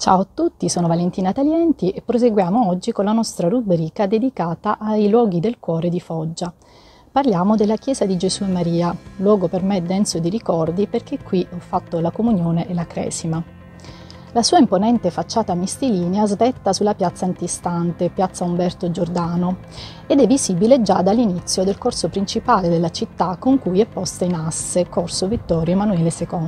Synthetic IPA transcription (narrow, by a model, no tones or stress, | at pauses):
t͡ʃa̰oat̪ːut̪ːisoːnovalent̪iːnat̪aljɛnt̪iʔepːɾos̬eɡwjaːmoɔd͡ʒːikonlanɔst̪ɾarubɾiːkad̪ed̪ikaːt̪aʔajlwɔːɡid̪elkwɔːɾed̪ifɔd͡ʒːa | parljaːmod̪elːak̟jɛːzad̪id͡ʒesuemːaɾiːalwɔːɡopermed̪ːɛnsod̪iɾikɔrd̪iperk̟ekːwiɔfːat̪ːolakomunjoːneʔelakɾɛ̰ːsima | lasuːaimponɛnt̪efat͡ʃːaːt̪amist̪iliːneazd̪ɛt̪ːasulːapjat̪sːaːnt̪ist̪ant̪epjat̪sːaumbɛrt̪od͡ʒord̪aːno | ed̪ɛvːizibiled͡ʒad̪alːinit̪sːjod̪elkorsopɾint͡ʃipaːled̪elːat͡ʃit̪ːakːoŋkujɛpːɔst̪ainasːekorsovit̪ːɔːɾjomanuɛːlesekɔn